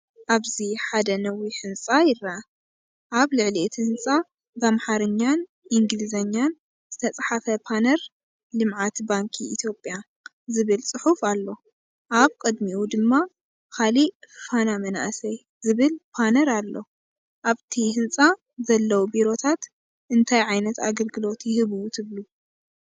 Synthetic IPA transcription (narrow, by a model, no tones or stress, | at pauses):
ʔaβziħad̪ɐnɐwiħɨnt͡sʼajɪra | ʔaβlɨʕliʔt̪ʰihɨnt͡sʼa | bamħaɾɨɲːan | ʔiŋɡɨlizɐɲːan | z̥ɨt̪ʰɐt͡sʼħafɐpʰanɐɾ | lɨmʕat̪baŋkʰiːt̪ʰjo̞pʼja | zɨβɨlsʼɨħufalːo̞ | ʔaβkʼɨd̪miwud̪ɨmːa | kalifanamɐna̰ʔsɐj | zɨβɨlpʰanɐɾalːo̞ | ʔaβt̪ʰihɨnt͡sʼa | zɐlːɐwubiɾo̞t̪ʰat̪ | ʔɨnt̪ʰajʕajnɐt̪a̰ɡɐlɡɨlo̞t̪jɪhɨβut̪ʰɨβlu